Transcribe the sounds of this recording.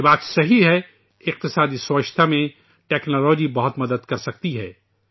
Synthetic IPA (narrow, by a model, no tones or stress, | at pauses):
baːt̪sɐɦiɦɛ | ɪq̚t̪ɪsaːd̪iswəʃt̪ʰamẽ | ʈɛːknɔːlɔːd͡ʒibɐɦʊt̪mɐd̪əd̪kɐɾsɐk̚t̪iɦɛ̰ː